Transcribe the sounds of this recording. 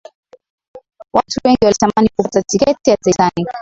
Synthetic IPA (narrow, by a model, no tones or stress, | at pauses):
watuwɛŋɡiwalitamanikuatatikɛtijataisani